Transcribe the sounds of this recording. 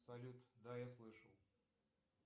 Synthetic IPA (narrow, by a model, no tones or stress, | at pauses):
sɐlʲut̪d̪ajaslˠɨʂə̰lˠ